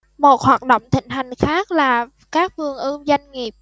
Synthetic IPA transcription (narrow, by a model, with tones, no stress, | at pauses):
mo˨˩t̚hwaː˨˩t̚ɗo̰˧˨wŋ͡mt̪ï˧˩ŋ̟ɦa˨˩jŋ̟xaː˦˥k̚laː˨˩ | kaː˦˥k̚vɨ˨˩əŋʔɨː˧za˧jŋ̟ŋi˨˩əp̚